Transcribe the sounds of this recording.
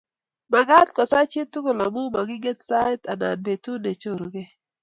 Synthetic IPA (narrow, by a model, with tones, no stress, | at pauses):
ma˨ɡa˦tkɔ˨sa˦t͡ʃɪ˦tu˦ko˨la˨mu˦ma˨ɡɪ˦ɡe˦tsa˦ta˨na̰˨nbe˨tu˦ne˨t͡ʃo˦˨ɾo˨ɡe˦